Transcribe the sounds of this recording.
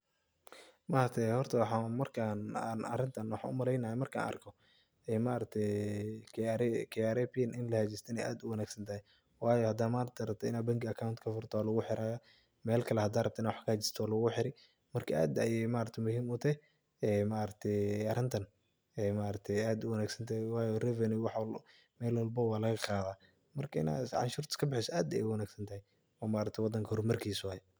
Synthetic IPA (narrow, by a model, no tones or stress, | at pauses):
maːɾɐt̪ʰɛhɔrt̪ʰɐwɑħɑːmɐrkʰaːnːnɐ̰rɪnt̪ʰɐnwɑħɑ̰ːʔʊ̰mɐɾɛjnɐːɐmɐrkʰa̰ːnɐ̰rkʰɔ | ɛːmaːɾɐt̪ʰɛkʰaɾɛkʰɐjaːɾɛpɪjnɪnlɐhɐt͡ʃɪst̪ʰɐnɛjʔa̰ːd̪ʊwɐnaːɡsɐnt̪ʰɐhɛ | wɑːjɔhɐd̪aːmaːɾɐt̪ʰɛɾɐbt̪ʰɛɪnaːbɐŋkɪɐkʰawʊnt̪kʰɐfʊrt̪ʰɔːlɐɣʊħɪɾaːjɐ | mɛːlkʰɐlɛhɐd̪aːrɐbt̪ʰɪnawɑħkʰɐt͡ʃɪ̥st̪ʰɔːlɐɣʊħɪɾɪ | mɐrkʰɐʔaːd̪ɐjɛjmaːɾɐt̪ʰɛmʊɦiːmʊt̪ʰɛ | ɛmaːɾɐɡ̚t̪ʰɛɐɾɪnt̪ʰɐn | ɛmaːɾɐt̪ʰɛaːd̪ʊwɐnaːɡsɐnt̪ʰɐɛwɑːjɔrɛvɐniwɑħ | mɛːlwɔlbɐwaːlɐɣɐqɑːðaː | mɐrkʰɐɪ̰na̰ːʕɑ̰nʃuːrt̪ʰɪ̥kʰɐbɪħɪsɐʔaːd̪ɐ̰jɛ̰wɐnaːɡsɐnt̪ʰɐhɛj | ɔːmaːɾɐt̪ʰɛwɑd̪ːɐŋkʰɐhɔrmɐrkʰiːswaːjɛ